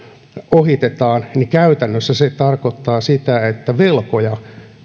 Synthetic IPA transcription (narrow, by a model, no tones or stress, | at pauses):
ohit̪et̪ɑːnnikæyt̪ænːøsːæset̪ɑrkot̪ːɑːsit̪æet̪ːæʋelkojɑ